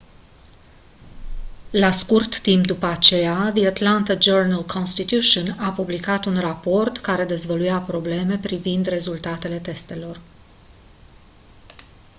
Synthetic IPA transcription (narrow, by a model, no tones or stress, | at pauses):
laskurt̪ːimpd̪upəat͡ʃe̞jaðiat̪lant̪ad͡ʒornalkʰonst̪it̪juʃunapublikat̪unrapo̞rt̪kaɾe̞d̪e̞zvəlujapɾo̞ble̞me̞pɾivind̪re̞zult̪at̪e̞le̞t̪e̞st̪e̞lo̞r